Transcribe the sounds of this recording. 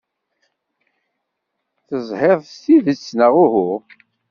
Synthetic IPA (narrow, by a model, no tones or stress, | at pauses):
θəzˤheðˤst̪iðət͡sːnəʁʊɦʊ